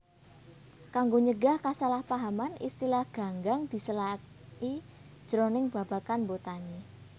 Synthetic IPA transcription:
kaŋɡoɲəɡahkasalahpaɦamanḭst̪ilahɡ̥a̤ŋɡaŋd̪̥i̤səla | i̥ | d͡ʒ̥əɾonɪŋb̥a̤b̥a̤kanbot̪aɲe

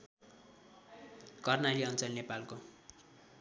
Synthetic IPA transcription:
kʌrnaliʌnt͡sʌlnepalko

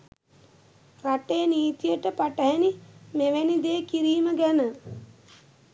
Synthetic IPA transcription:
ɾaʈeniːt̪ijəʈəpaʈəɦɛnimeʋænid̪eːkiɾiːməɡænə

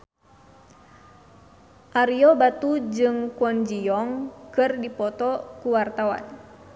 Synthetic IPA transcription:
ʔaɾiɔbat̪ud͡ʒɨŋkwɔnd͡ʒiɔŋkɨrdipɔt̪ɔkuwart̪awa̰n

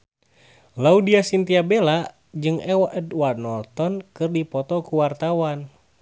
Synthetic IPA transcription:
laudiasint̪iabela | d͡ʒɨŋɛwaʔədwanɔlt̪ɔnkɨrdipɔt̪ɔkuwart̪awan

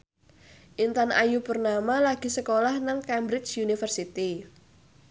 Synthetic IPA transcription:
ʔint̪anʔa̰jupərnamalaɡ̥i̤səkolahnaŋkɛmbɾɪt͡ʃjunifərsit̪i

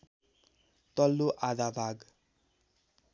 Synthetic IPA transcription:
t̪ɔlːoʔad̪abʱaɡ

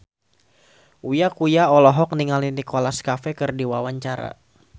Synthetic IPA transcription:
ujakujaɔlɔɦɔk̚niŋalinikolaskafɛkɨrdiwawaɲt͡ʃaɾa̰

